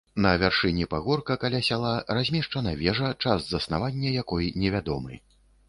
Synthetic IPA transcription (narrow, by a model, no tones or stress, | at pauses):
nɐvʲarʂɨnʲipaɣɔrkɐkalʲasʲalˠarazʲmʲɛʂt͡ʂɐnɐvʲɛʐɐt͡ʂaszɐsna̰vanʲːɐjakɔjnʲɛvʲad̪ɔmɨ̰